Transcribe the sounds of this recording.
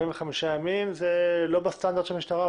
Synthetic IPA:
inveχamiʃajamimzelo̞bast̪and̪aʁd̪ʃelmiʃtaʁa

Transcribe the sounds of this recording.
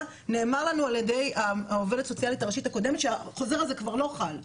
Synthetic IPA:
ne̞ːmaʁlanualjede̞jaove̞ltso̞t͡sialitaʁeʃitako̞de̞metʃeaχo̞ze̞ʁalzekvaʁlo̞χal

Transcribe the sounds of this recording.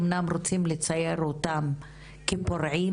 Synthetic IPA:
mnamrot͡simlet͡sajeɾot̪am | kepoɾʕi

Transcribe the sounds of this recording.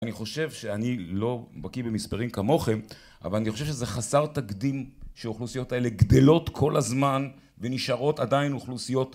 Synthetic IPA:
aniχo̞ʃe̞vʃe̞anilo̞bakibemispaʁimkamo̞χem | ʔa̰valaniχo̞ʃevʃezeχasaʁt̪aɡd̪imʃeuχlusijo̞taele̞ɡd̪e̞lo̞t̪kʰo̞lazman | veniʃaʁo̞tadainuχlusijo̞t

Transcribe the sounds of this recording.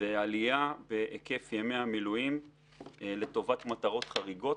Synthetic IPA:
ealijabeʔeke̞fjeme̞amilujim | le̞to̞vatmataʁo̞tχaʁiɡo̞t

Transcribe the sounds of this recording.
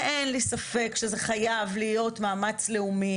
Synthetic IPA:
enlisafe̞kʃezeχajavlijo̞tmaːmat͡sle̞umi

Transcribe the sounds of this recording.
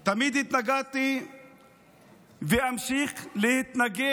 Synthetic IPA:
t̪amid̪hit̪naɡat̪i | veamʃiχlehit̪naɡe

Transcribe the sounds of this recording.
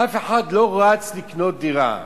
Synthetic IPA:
afeħad̪loat͡sliknot̪̚d̪iʁa̰

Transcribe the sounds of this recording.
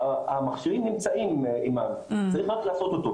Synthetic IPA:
amaχʃiʁimnimt͡saimiman | t͡saʁiχʁaklaːso̞t̪ot̪o

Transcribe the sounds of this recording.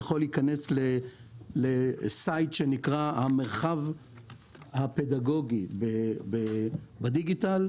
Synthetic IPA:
χo̞liːkaneslelesajt̪ʃenikʁahame̞ʁχav | hape̞d̪aɡo̞ɡibebebad̪iɡit̪al

